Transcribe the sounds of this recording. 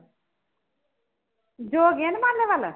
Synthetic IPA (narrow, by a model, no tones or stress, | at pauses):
d͡ʒoːɡenmaːnleʋalə